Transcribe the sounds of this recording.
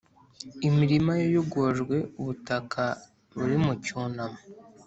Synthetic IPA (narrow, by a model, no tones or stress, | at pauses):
imiɾimajojuɡoʒɡwe̞uβutakʰa | βuɾimucuːnamo